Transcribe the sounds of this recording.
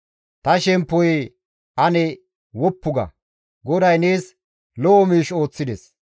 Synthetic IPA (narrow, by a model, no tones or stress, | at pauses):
t̪ɐʃɛmpːɔj | ʔɐnɛ | wɔpːʊɡɐ̰ | ɡɔd̪ɐjneːs | lɔɔmiːʃo̞ːt͡sːɪd̪ɛs